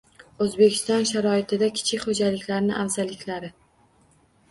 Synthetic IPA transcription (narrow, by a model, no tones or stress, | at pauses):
ɵzbe̞kʲʰɪ̥st̪ɒnʃaɾɒɪt̪ʰɪd̪akʲʰɪ̥t͡ʃʰɪkʲχod͡ʒalɪkʲlaɾnɪʔawzalɪkʲlaɾɪ